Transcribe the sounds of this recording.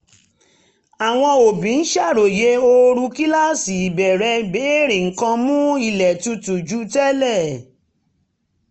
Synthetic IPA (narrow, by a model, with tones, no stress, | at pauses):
a˨w̃ɔ̃˧o˨bĩ˨˦n̩˦ʃa˦˨ɾo˨je˧˦o˧ɾu˧ki˦la˦˨si˨i˨bɛ˨ɾɛ˧be˨˦ɾĩ˨ŋ̩˨kã˧mũ˦i˦˨lɛ˨tu˧tu˨d͡ʒu˦tɛ˦lɛ˦˨